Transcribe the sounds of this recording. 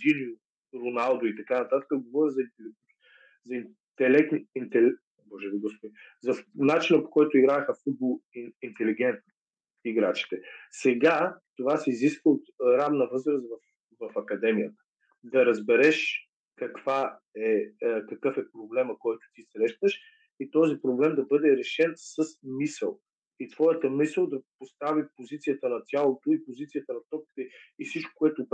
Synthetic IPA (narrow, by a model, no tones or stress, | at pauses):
d̪iniʊ | ɾonalˠd̪ʊit̪ɐkanɐt̪at̪ə̥kəɡovɔɾʲəzɐint̪ɛlɛ | zɐin | t̪ɛlɛk̚t̪nint̪ɛl | mɔʒɛviɡospoizɐnat͡ʃinəpo̥kɔjt̪ʊiɡɾaxəfud̪̚boint̪ɛliɡ̟ɛnt̪n | iɡɾat͡ʃi̥t̪ɛsɛɡat̪ovasɛiziskvəot̪ɾavnɐvɤzɾəsvɐf | vɐfɐkɐd̪ɛmijət̪ə̥ | d̪ɐɾɐzbɛɾɛʃ | kɐkv̥a | ɛkɐkɤfɛpɾoblɛməkɔjt̪ʊ̥t̪isɾɛʃt̪əʃ | it̪ɔzipɾoblɛmd̪ɐbɤd̪ɛɾɛʃɛnsəsmisəlˠ | it̪v̥ɔjət̪əmisəlˠd̪ɐpost̪avipozit̪sijət̪ənɐt̪ʲjalˠot̪ʊipozit̪sijət̪ənɐt̪ɔp̚ki̥t̪ɛifsit͡ʃko̥kʊɛt̪ʊ